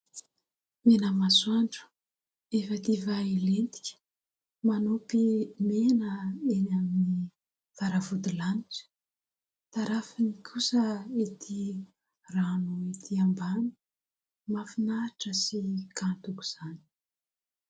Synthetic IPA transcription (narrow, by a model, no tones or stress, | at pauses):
menəmasuwaɳɖ͡ʐu̥ | efət̪ivaelent̪i̥kʲə̥ | manopimenəenamini | v̥aɾavud̪ilaniʈ͡ʂə̥ | t̪aɾafinikʰusəet̪ʰi | ranuet̪ʰiambani̥ | mafinaɾʈ͡ʂəsikant̪uku̥z̥ani̥